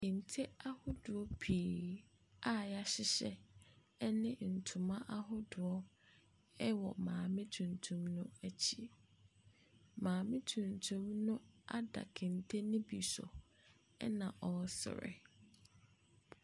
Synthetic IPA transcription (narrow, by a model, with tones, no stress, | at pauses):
ɪ˨n̩˨tʰe˦a˦hʊ˦dʊ˨ɔ˦pʰi˨ | a˦ja˦ɕɪ˦ɕɛ˦ | ɛ˦nɪ̃˦n̩˨tʰʊ˨mã˦ʔa˦ɦʊ˦dʊ˨ɔ˦ | ɛ˦wɔ̰˨mãː˨mɪ̃˦tʰũ˨ntʰũ˦mnʊ̃˦æ˦t͡ɕʰi˨ | mãː˨mɪ̃˦tʰũ˨ntʰũ˦mnʊ̃˦a̰˦da̰˨kʰɪ̃˨n˨tʰe˦nɪ̃˦bi˨sɔ̰˨ | ɛ̰˦nã˨ʔɔ˨sɪ̰˨ɾɪ̰˨